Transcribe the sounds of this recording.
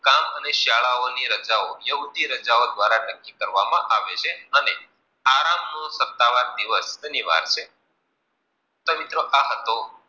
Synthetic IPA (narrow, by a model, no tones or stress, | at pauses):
kaməneʃaɭaoniɾəd͡ʒaojəɦud̪iɾəd͡ʒaod̪ʋaɾanəkːikəɾʋamã̰ʔaʋet͡ʃʰeəne | aɾamnõsət̪ːaʋaɾd̪iʋəsəniʋa̰ɾt͡ʃʰe | t̪omit̪ɾoʔaɦət̪o